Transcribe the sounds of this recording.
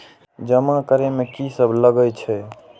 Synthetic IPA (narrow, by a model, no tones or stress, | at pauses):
d͡ʒəmakəɾemekisəbʱləɡət͡ʃʰɛ